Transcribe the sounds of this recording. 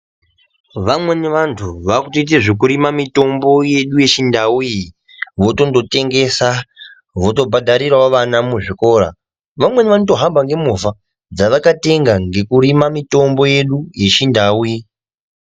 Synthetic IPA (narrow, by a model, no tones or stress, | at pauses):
ʋamwe̞neʋantʰuʋakutoit̬eʐek̬uɾimamito̞mbo̞je̞ɗuje̞t͡ʃindauji | ʋo̞to̞ndo̞te̞ŋɡe̞sa | ʋo̞to̞bʱadʱaɾiɾaoʋanamuʐiko̞ːɾa̰ | ʋamwe̞neʋanutoɦambʱaŋɡe̞muva | d͡zaʋakate̞ŋɡaŋɡe̞kuɾimamito̞mbo̞je̞ɗuje̞t͡ʃindauji